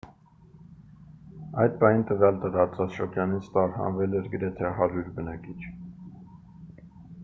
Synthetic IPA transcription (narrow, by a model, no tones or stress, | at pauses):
ɑjd̪̚pɑhint̪əvjɑlt̪əɾɑt͡sɑt͡sʃəɾd͡ʒɑnit͡sʰt̪ɑɾhɑ̰nvɛlɛɾɡəɾɛt̪ʰɛɦɑɾuɾbənɑkit͡ʃʰ